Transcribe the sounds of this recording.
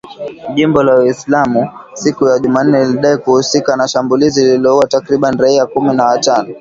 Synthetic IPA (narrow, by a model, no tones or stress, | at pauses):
ʄimbɔlawislamusikujaʄuman̩ːɛliɗaikuhusikanaʃambulizililɔuatakɾiɓaniɾaiakuminawatanɔ